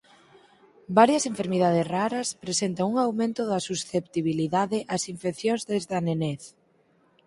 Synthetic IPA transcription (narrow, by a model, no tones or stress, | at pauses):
baɾjɐseɱfeɾmið̞að̞ɪsraɾɐspɾesent̪ɐŋuŋawmẽnt̪ʊðɐsusθept̪iβiliðaðɪʔɐsiɱfekθjoŋzðezðɐneneθ